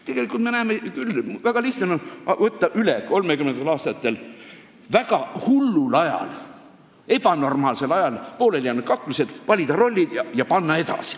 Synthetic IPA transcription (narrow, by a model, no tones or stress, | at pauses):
t̪e̞ɡ̥e̞likult̪menæːmekylːvæɡ̥ɑliht̪onoɑvɤt̪ːɑʔyleko̞lme̞kymnend̪elɑːst̪ɑt̪ːe̞l | væɡ̥ɑhulːulɑjɑ̰l | e̞pɑno̞rmɑːlse̞lɑjɑlpo̞ːlelʲjæːnːud̪̥kɑkːluse̞d̪̥vɑlʲid̪ɑro̞lʲːid̪̥jɑjɑpɑnːɑe̞d̪ɑ̰si̥